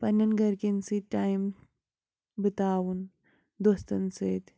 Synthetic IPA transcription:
pɐnɐnɡɐɾkinsiʈajm | bit̪aːwun | d̪ost̪ɐnseːt̪

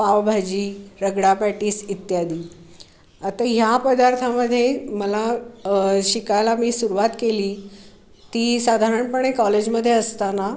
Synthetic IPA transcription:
paʋbʱad͡ʑiːɾəɡɽapaʈiːsit̪jad̪iː | at̪aɦjapəd̪aɾt̪ʰaməd̪ʱːjeməla | ɕikajlamiːsuɾuʋat̪keliː | t̪iːsad̪ʱaɾəɳpəɳ̃ekɔled͡ʑməd̪ʱːjeəst̪ana

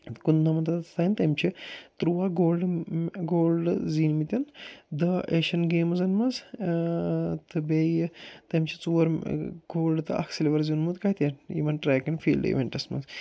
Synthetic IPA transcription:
t̪kund̪ɐmɐnt̪ɐt̪t̪ɐːint̪ɐmt͡ʃʰit̪ɾuʋaɡoːlɖɡoːlɖziːnmit̪ʲɐnd̪ɐeʃɐnɡeːmɐzɐnmɐz | t̪ɨbejt̪ɐmt͡ʃʰit͡suːɐɾɡoːlɖt̪ɨʔɐ̰kʰseleʋɐɾzinmut̪kat̪ʲjɐnjḭmɐnʈɾaːkɐnfʰḭːld̰ḭʋʲeɳʈɐsmɐ̰z

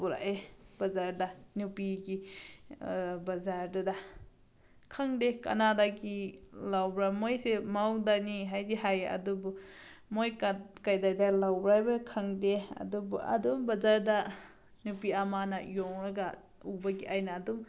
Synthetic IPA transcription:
buɾa̰ʔebɐzaɾdanupiɡi | bazaɾdada | kʰaŋdeka̰nadaɡilawbɾamojsemawdaniɦajdiɦajɐ̰dubu | mojkakajdajdalawbɾajbakʰaŋdeɐ̰dubṵɐ̰dumbɐzaɾda | nupiamanajɔŋɾaɡa | ubaɡiʔajnaːdum

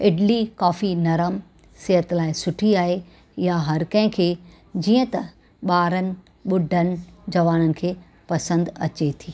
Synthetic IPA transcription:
ɪɖlikaːfinɐɾəm | sɪɦət̪laːɪsʊʈʰiaːɦe | jaɦɐɾkɐ̃ɦɪ̃kʰeː | d͡ʑiːə̃t̪ɐ | ɓaːɾənɪ̆ | ɓʊɖʱənɪ̆d͡ʑɐʋaːnənɪ̆kʰeː | pɐsə̃nd̪ɐ̰t͡ɕet̪ʰiː

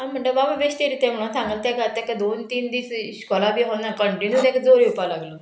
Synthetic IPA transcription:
ɦãm̤əɳʈebaʋəʋeɕt̪eɾit̪jɛ̃m̤əɽ̃sãŋɡəlt̪jaɡat̪akad̪ont̪iːnd̪iːsɕkɔlabiːɦonakəɳʈinjuːd̪ekd͡zoɾiupalaɡlo

